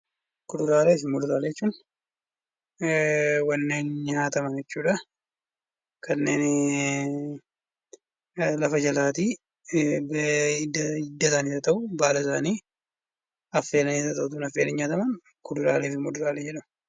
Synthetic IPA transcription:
kʊd̪ʊɾaːleːfɪmʊd̪ʊɾaːlɛɛt͡ʃːuːn | wɐnːeːnɲaːt̪ɐmɐnd͡ʒɛt͡ʃːuːᶑɐ | kʰɐnːeːn | lɐfɐd͡ʒɐlaːt̪iː | b | ɪd̪ːɐsaːnisɐt̪ɐʔʊbaːlɐɪsaːniː | ɐfːeːlɐnisɐt̪ɐʔʊt̪̬unɐfːeːlɪɲaːt̪ɐmɐn | kʊdʊɾa̰ːleːfɪmʊd̪ʊɾaːlɛd͡ʒɛᶑɐmɐ

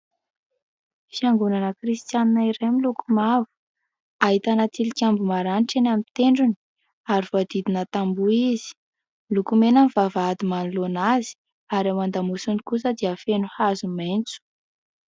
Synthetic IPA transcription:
fiaŋɡunanəkrist̪janinaiɾemilukumavu̥ | aɦit̪anat̪ilikʲambumaɾanʈ͡ʂenamit̪eɳɖ͡ʐuni̥ | aɾivoad̪id̪inət̪ambuizi̥ | lukumenanivavad̪imanulonazi̥ | aɾamand̪amusunikusəd̪iafenuhazument͡su̥

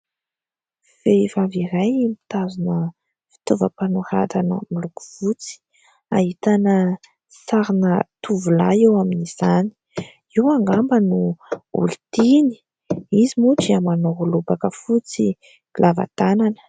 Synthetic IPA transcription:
fevaviɾajmit̪azunə | fi̥t̪uvəpanuɾa̰t̪anə̰miluku̥v̥ut͡si̥ | a̰ɦit̪anə | saɾinət̪uvulaewaminiz̥ani̥ | iwaŋɡambənuṵlit̪ini̥ | izimuʈ͡ʂiamanoɦulubakəfut͡si | lʔava̰t̪ananə̥

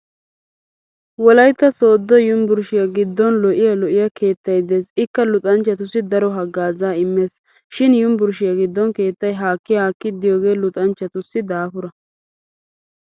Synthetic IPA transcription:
wɔlɐjt̪ːɐsoːd̪ːɔjʊmbʊɾʃɪjaɡɪd̪ːɔnlɔʔɪjɐlɔʔɪjɐkʰe̞ːt̪ːɐjd̪e̞ːsɪkːɐlʊt̪ʼɐnt͡ʃːɐt̪ʊsːɪd̪ɐɾɔɦɐɡːaːzaːɪmːe̞ːs | ʃɪnjʊmbʊɾʃɪjaɡɪd̪ːɔnke̞ːt̪ːɐjɦaːkːɪjaːkːɪd̪ːɪjoːɡe̞ːlʊt̪ʼɐnt͡ʃːɐt̪ʊsːɪd̪aːfʊɾɐ

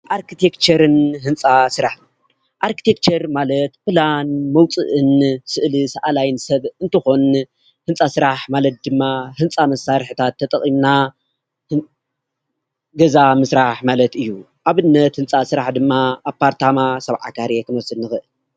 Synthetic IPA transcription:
ʔaɾkʰit̪ʰekt͡ʃɐɾɨnɦɨnt͡sʼasɨɾaħ | ʔaɾki̥t̪ʰek̚t͡ʃɐɾmalɐt̪planmɐwt͡sʼɨʔɨnsɨʔlɨsaʔalajnsɐβɨnt̪ʰɨxo̞n | hɨnt͡sʼasɨɾaħmalɐt̪̚d̪ɨmːahɨnt͡sʼamɐsaɾħɨt̪ʰat̪ʰːɐt̪ʼɐ̰imna | h | ɡɐzamɨsɾaħmalɐt̪ɨjːu | ʔaβɨnːɐt̪hɨnt͡sʼasɨɾaħd̪ɨmːaʔapːaɾt̪ʰamasɐβʕa̰kʰaɾekʰɨnwɔsɨdnɨxɨʔɨl

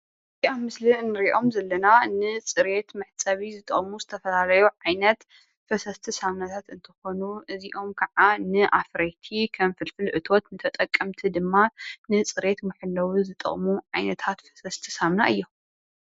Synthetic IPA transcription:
iʔaβmɨslinːɨɾiʔo̞mzɐlːɐnanɨt͡sʼɨɾe̞t̪mɨħt͡sʼɐβizɨt̪ʼɐ̰χʼmuzɨt̪ʰɐfɐlalɐjuʕajnɐt̪ | fɐsɐst̪ʰisamnat̪ʰat̪ɨnt̪ʰɨ̥xo̞nuʔɨziʔo̞mkʰɐʕanɨʔafɾɐjt̪ʰikʰɐnfɨlfɨlʔɨt̪ʰot̪nɨt̪ʰɐt̪ʼɐkʼːɐmt̪ʰid̪ɨmːanɨt͡sʼɨɾe̞t̪mɨħɨlːɐwizɨt̪ʼɐ̰χʼmuʕajnɐt̪ʰat̪fɐ̥sɐst̪ʰɨsamnaʔɨjːo

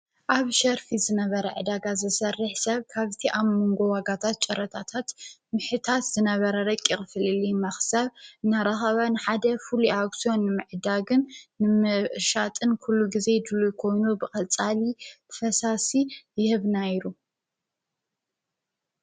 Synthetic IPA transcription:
ʔaβʃɐɾfizɨnɐβɐɾɐʕɨd̪aɡazɨsɐrːɨħsɐβkʰaβt̪ʰiʔaβmoŋɡo̞waɡat̪ʰat̪̚t͡ʃʼɐɾɐt̪ʰat̪ʰat̪mɨħɨt̪ʰat̪zɨnɐβɐɾɐɾɐkʼːixɨfɨlɨlimɐxsɐβɨnaɾaxɐβanɨħad̪ɐfuluaɡsio̞nːɨmɨʕɨd̪aɡɨnːɨmɨʃat̪ʼɨnkʰulːuɡize̞d̪ɨlujkʰo̞jnubɨkʼɐt͡sʼalit̪ʰɐ̥fɐsasijɪhɨβnaiɾu

